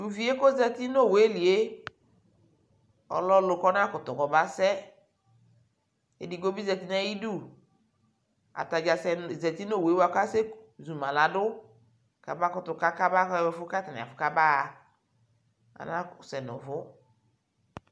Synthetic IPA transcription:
u˨vi˨e˦ko˦zɛ˦ti˦no˦˨we˨˦li˨e˦ | ɔ̰˨lɔ˦lʊ˨kɔ˦n˦a˦kʊ˨tʊ˨kɔ˨ba˦sɛ˦ | ḛ˨di˨ɡo˦bi˦zɛ˨ti˦nɛ˦ji˦du˦˨ | a̰˨ta˨d͡ʒa˨sɛ˨zɛ˨ti˦no˦˨we˨˦wa˨ka˦se˦zu˨mã˨la˨dʊ˦ | ka̰˨ba˦kʊ˨tʊ˨ka˦ka˦ba˦kɛ˨fʊ˦ka˦ta˨nɪ̰˨a̰˨fʊ˨ka˦ba˦˨ | a̰˨na˦˨sɛ˨nʊ̰˨vʊ˦

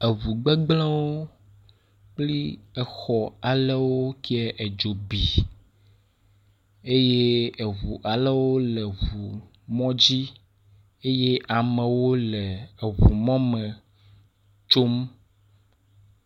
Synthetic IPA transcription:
e˨βu˨ɡ͡be˦ɡ͡blɛ̃˦wo˦ | k͡pli˦ɛ˨xɔ˨a˨lɛ˦wo˦ki˦ɛ˦ʔe˨d͡ʒo˨bi˨ | e˦je˦e˨βu˨ʔa˨lɛ˦wo˦lɛ˨βu˨ | mɔ̃˦d͡ʑi˦ | e˦je˦ʔa˨mɛ̃˨wo˦lɛ˨e˨βu˨mɔ̃˦mɛ̃˨ | t͡ʃo˦m

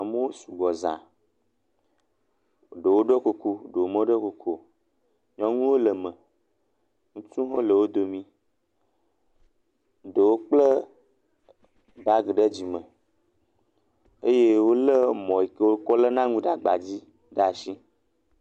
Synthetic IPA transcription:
a˨me˦wo˦su˨ɡɔ˨zã̰˨ | ɖə˨wo˦ɖə˦ko˨ku˦ɖə˨wo˨mə̃˦ɖo˦ko˨kʰo˦ | ɲɔ̃˦ŋũ˦wo˦lə˨mə̃˨ | ŋũ˦t͡ʃũ˦ɦo˦lə˨wo˦d̪o˨mĩ˦ | ɖə˨wo˦k͡plə˦ | ba˦ɡe˨ɖə˦d͡ʑi˨mə̃˨ | e˦je˦wo˦lə˦mɔ̃˨i˨ke˦wo˦kɔ˦lə˦nã˦ŋũ˦ɖa˨ɡ͡ba˨d͡ʑi˦ | ɖa˦˨ʃi˦

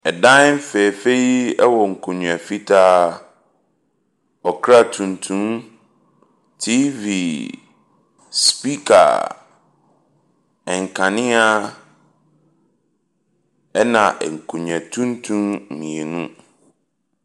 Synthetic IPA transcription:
ɛ˨dã˦m˦fɛ˨fe˦ji˦ɛ˦wɔ˨ŋ̩˨kʰũ˨ɲũ˨ɛ˨fi˦tʰaː˦ | ɔ˨kʰɾa˦˨tʰũ˨ntʰũ˦m | tʰi˦vi˨ | spi˦kʰa̰˨ | ɛ˨ŋ˨kʰã˨nɪ̃˦a˦ | ɛ˦nã˨ʔɛ˨ŋ̩˨kʰũ˨ɲᶣ˨ɛ̃˨tʰũ˦n˦tʰũ˦m˨mĩ˨e˨nṵ̃˦

